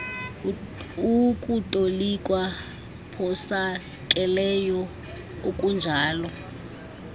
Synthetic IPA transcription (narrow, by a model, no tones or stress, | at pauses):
ukʼutʼolik̬ʼwa | pʰɔsa | k̬ʼɛlɛjɔ | okʼund͡ʒʱaːlɔ